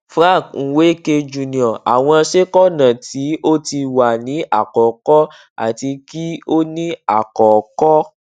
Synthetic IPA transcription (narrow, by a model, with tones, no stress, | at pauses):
fɾã˦˨kŋ̩˨we˨˦ke˧d͡ʒu˨nĩ˨ɔ̃˨a̰˨w̃ɔ̃˧a˧ʃe˦kɔ˦nã˨ti˨˦ʔo˦ti˧wa˨nĩ˨˦ʔa˨kɔ˨kɔ˦ | a̰˨ti˧ki˦o˦nĩ˦a˨kɔ˨kɔ˦